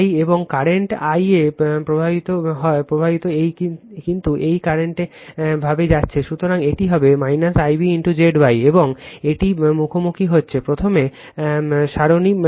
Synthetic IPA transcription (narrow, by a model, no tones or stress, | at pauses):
jeboŋkaɾeɳʈajepɾobʱabit̪oɦɔepɾobʱabit̪oejkint̪uʔejkaɾeɳʈe | bʱabed͡ʑatːɕʰeʃut̪oɾaŋeʈiɦɔbemajnasajbiiɳʈud͡ʑeɖbajeboŋeʈimukʰomukʰiɦotːɕʰepɾot̪ʰome | ʃaɾoni